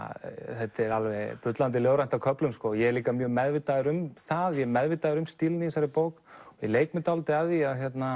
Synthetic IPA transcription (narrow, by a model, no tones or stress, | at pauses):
θɛt̪ɛɾalvɛpʏt̪lant̪̬ɪljoːwɾajnt̪akʰœplʏmskɔjɛɛɾliːkamjœːɣmɛðvɪt̪aðʏɾʏmθaðjɛmɛðvɪt̪ːaðʏɾʏmst̪ilnɪisaɾɪpoːwk̪ɔileːjkmɪt̪alt̪ɪaðiaðçjɛt̪na